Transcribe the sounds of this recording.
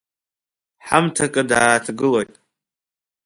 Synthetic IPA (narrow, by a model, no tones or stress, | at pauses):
ħa̰mtʰakʼɨdaːtʰɡɨlojtʼ